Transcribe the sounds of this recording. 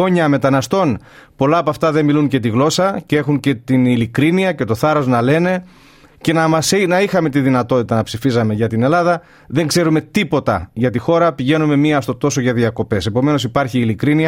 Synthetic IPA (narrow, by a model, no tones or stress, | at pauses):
oɲɐme̞t̪ɐnɐst̪o̞npo̞lɐːpoɐft̪ɐðe̞miluŋcet̪iɣlo̞sɐcee̞xuŋce̞t̪inilikɾiniɐce̞t̪o̞θɐɾo̞znɐle̞ne̞ | ce̞nɐmɐsinɐixɐme̞t̪iðinɐt̪o̞t̪it̪ɐnɐpsifizɐme̞ʝɐt̪ine̞lɐðɐ | ðe̞ŋɡze̞ɾume̞t̪ipo̞t̪ɐ̰ʝɐt̪ixo̞ɾɐpiʝe̞nume̞miɐst̪o̞t̪o̞so̞ʝɐðiɐko̞pe̞se̞po̞me̞no̞sipɐɾçiːlikɾiniɐ